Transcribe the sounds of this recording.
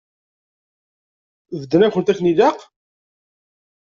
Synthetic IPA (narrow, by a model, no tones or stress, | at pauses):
vəd̪ːənækʷːənt̪æθniðɑq